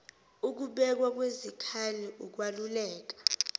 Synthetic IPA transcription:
uk̬uɓɛk̬wak̬wezikʰaliʔuk̬walulɛːk̬ḁ

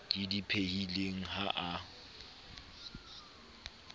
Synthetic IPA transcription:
didipʰehileŋ̩ɦaʔa

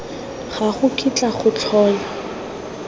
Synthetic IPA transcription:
χaχʊkʰʼit͡ɬʼaχʊt͡sʰɔːla

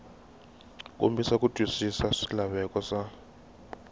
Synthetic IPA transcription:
kʼo̰mbisakutʼwisisaʂi̥laβɛkʼɔsa

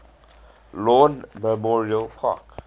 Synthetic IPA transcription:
lɔ̃nməmɔɹiəlfɔ̰k

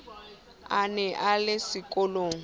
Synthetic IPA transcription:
anɛʔalɪsɪkʼɔloːŋ̩

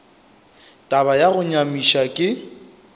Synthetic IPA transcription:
tʼaβajaɣʊɲamiʃakʼɪ

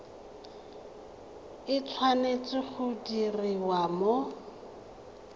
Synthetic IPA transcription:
ɪt͡sʰwanet͡sɪχʊdiriwamo

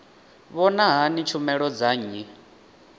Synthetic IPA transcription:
βɔnaɦanit͡ʃʰumɛɺɔd͡zaɲi

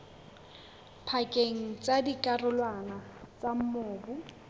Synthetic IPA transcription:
pʰakʼeŋ̩t͡sʼadikʼarʊlwanat͡sam̩moːbʊ

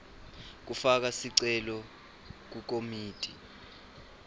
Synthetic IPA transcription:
k̬ufak̬asiǀɛlɔ | k̬uk̬omiːtʼi

